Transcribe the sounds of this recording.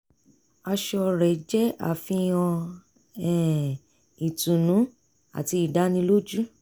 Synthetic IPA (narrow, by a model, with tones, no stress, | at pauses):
a˧ʃɔ˧ɾɛ˨d͡ʒɛ˦a̰˨fĩ˧˦ɔ̃˧ | ɛ˨ | i˨tũ˨nũ˨˦ | a̰˨ti˧i˨da˨˦nĩ˧lo˦d͡ʒu˦